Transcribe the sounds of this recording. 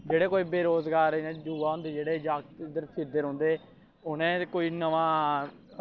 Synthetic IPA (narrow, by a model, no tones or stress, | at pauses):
d͡ʒeːɽeːkoːiːbeːɾoːzɡaːɾnẽːd͡ʒuːʋaːɦʊ̃ːnd̪eːd͡ʒeːɽeːd͡ʒaːktd̪əɾpʰɪɾd̪eːɾɦõːnd̪eː | ʊnẽːkoːiːnəʋãː